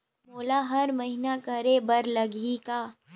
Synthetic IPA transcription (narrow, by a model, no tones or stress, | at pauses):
moːlaɦɐɾmɐɦinakɐɾebɐɾlɐɡʱikaː